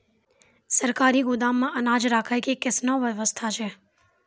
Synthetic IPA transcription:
səɾkaɾiɡʊd̪amːãʔənad͡ʒɾakʰajkekɪsnõʋəʋəst̪ʰat͡ʃʰe

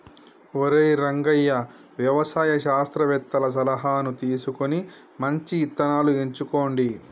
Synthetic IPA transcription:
oɾeːɾɐŋɡɐjːɐ | ʋjɐʋɐsaːjɐʃaːst̪ɾɐʋɛt̪ːɐlɐs̬ɐlɐɦaːnut̪iːsukoni | mɐɲt͡ʃiːt̪ːɐnaːlue̞ɲt͡ʃuko̞ːɳɖi

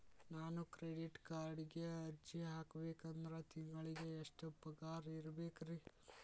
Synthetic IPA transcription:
naːnukɾeɖiʈkaːɾɖiɡe̞ɐɾd͡ʒiɦaːkɐbeːkɐnd̪ɾɐt̪iŋɡɐɭiɡe̞ːʂʈɐpɐɡaːɾiɾɐbeːkɾi

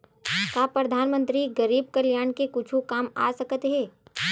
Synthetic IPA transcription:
kaːpɾɐd̪ʱaːnmə̃nt̪ɾiɡɐɾiːb̚kɐljaːɳkekʊt͡ʃʰũkaːma̰ːsɐkət̪ɦɛː

